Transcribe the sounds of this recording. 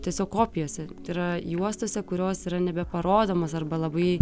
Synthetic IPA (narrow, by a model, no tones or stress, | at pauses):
t̪ʲiɛsʲoːkkoːpʲɪjoːsʲɛt̪ɐɪɾɐjuɔst̪oːsʲɛkʊɾʲoːsiːɾɐnʲɛbʲɛpɐɾoːd̪oːmoːsɐrbɐlˠɐbɐɪ